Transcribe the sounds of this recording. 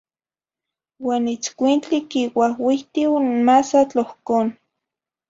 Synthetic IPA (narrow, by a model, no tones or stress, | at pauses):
waːnit͡skʷint͡ɬikiwahwiht̪iwmasat͡ɬohkoːn